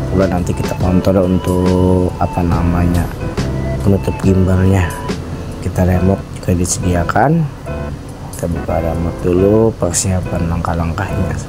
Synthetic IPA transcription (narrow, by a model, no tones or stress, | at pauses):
kulanant̪ikit̪akɔnt̪ɔlunt̪ʊkapanamaɲa | pənut̪ʊp̚ɡimbaŋɲa | kit̪aɾemɔt̪̚d͡ʒuɡadisədiakʰan | kit̪abukaɾemɔt̪̚dulupərsiapanlaŋkahlaŋkahɲa